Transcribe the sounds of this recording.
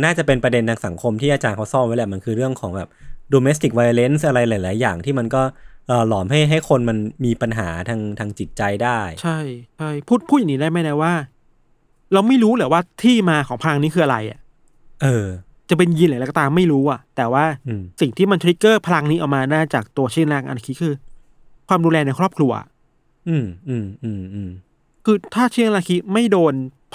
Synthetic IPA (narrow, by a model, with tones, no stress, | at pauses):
naː˥˩t͡ɕa˨˩pe˧npɾa˧de˧nt̪ʰaː˧ŋsa˩˦ŋkʰo˧mt̪ʰiː˥˩aː˧t͡ɕaː˧nkʰa˦˥wsɔː˥˩mwa˦˥la˧˩ma˧nkʰɯː˧ɾɯ˥˩əŋkʰɔː˩˦ŋbɛː˨˩p̚doː˧me˦˥st̪i˨˩k̚wa˧jle˦˥ns̬ʔa˧ɾa˧jlaː˨˩˦laː˨˩˦jːaː˨˩ŋt̪ʰiː˥˩ma˧nkɔː˥˩ʔəː˨˩lɔː˨˩˦mɦa˥˩jɦa˥˩jkʰo˧nma˧nmiː˧pa˧nɦaː˩˦t̪ʰaː˧ŋt̪ʰaː˧ŋt͡ɕi˨˩t̪̚t͡ɕa˧jdaː˥˩jt͡ɕʰa˥˩jt͡ɕʰa˥˩jpʰuː˥˩t̪̚pʰuː˥˩˨nː˩i˦da˥˩jma˥˩jda˦˥˩waː˥˩ | ɾa˧wma˥˩jɾuː˦˥lɛː˩˦waː˥˩t̪ʰiː˥˩maː˧kʰɔː˩˦ŋpʰa˧la˧ŋniː˦˥kʰɯː˧ʔa˧ɾa˧jʔa̰˨˩ʔ | ʔɤː˧ | t͡ɕa˨˩pe˧nji˧nlːlkɔ˩t̪aː˧ma˥˩jɾuː˦˥ʔa˨˩t̪ɛː˨˩waː˥˩˧si˨˩ŋt̪ʰiː˥˩ma˧nt̪ʰɾi˦˥kːɤː˥˩pʰa˧la˧ŋniː˦˥ʔa˨˩wmaː˧naː˥˩t͡ɕaː˨˩k̚t̪u˧ɐt͡ɕʰi˥˩˧ŋlaː˧˥˩ŋʔa̰˧na˧kʰi˦˥kʰɯː˧ | kʰwaː˧mduː˧lɛː˧na˧jkʰɾɔː˥˩p̚kʰɾu˧ɐʔa̰˩ | ʔɯː˧˩mʔɯː˧˩mʔɯː˧˩mʔɯː˧˩m | kʰɯː˧t̪ʰaː˥˩t͡ɕʰiː˥˩˨ŋla˧kʰi˦˥ma˥˩jdoː˧npʰ